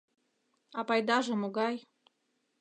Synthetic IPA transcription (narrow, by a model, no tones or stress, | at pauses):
ɑpɑjd̪ɑʒɤ̆moɡɑj